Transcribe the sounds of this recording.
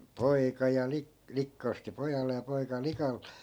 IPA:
poikɑ jɑ li likːɑ osti pojɑlːe jɑ poikɑ likɑ

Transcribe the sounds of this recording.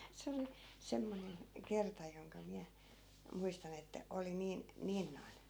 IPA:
se oli semːonen kertɑ joŋkɑ miæ muistɑn etːæ oli niːn niːn noi̯n

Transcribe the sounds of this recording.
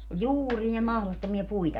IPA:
ol juːrie mɑhlotːomiɑ puitɑ

